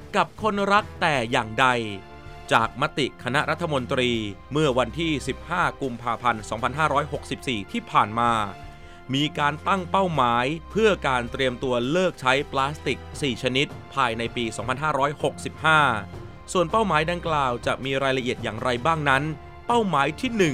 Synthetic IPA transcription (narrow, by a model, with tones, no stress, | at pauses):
ka˨˩p̚kʰo˧nɾa˦˥k̚t̪ɛː˨˩jaː˨˩ŋda˧j | t͡ɕaː˨˩k̚ma˦˥t̪i˨˩kʰa˧na˦˥ʔɾa˦˥t̪ʰːa˧mo˧nt̪ɾiː˧mɯ˥˩ɐwa˧nt̪ʰiː˥˩si˨˩p̚haː˥˩ku˧mpʰaː˧pʰa˧nsɔː˩˦ŋpʰa˧nɦaː˥˩ɾɔː˦˥jɦo˨˩k̚si˨˩p̚siː˨˩t̪ʰiː˥˩pʰaː˨˩nmaː˧ | miː˧kaː˧nt̪a˥˩ŋpa˥˩wmaː˩˦jpʰɯ˥˩ɐkaː˧nt̪ɾi˧əmt̪u˧ɐlɤː˥˩k̚t͡ɕʰa˦˥jplaː˦˥st̪i˨˩k̚siː˨˩t͡ɕʰa˧ni˦˥t̪̚pʰaː˧jna˧jpiː˧sɔː˩˦ŋpʰa˧nɦaː˥˩ɾɔː˦˥jho˨˩k̚si˨˩p̚haː˥˩ | su˨˩ənpa˥˩wmaː˩˦jda˧ŋklaː˨˩wt͡ɕa˨˩ʔmiː˧ɾaː˧jla˧ʔi˨˩ət̪̚jaː˨˩ŋɾa˧jbaː˥˩ŋna˦˥n | pa˥˩wmaː˩˦jt̪ʰiː˥˩nɯ˨˩ŋ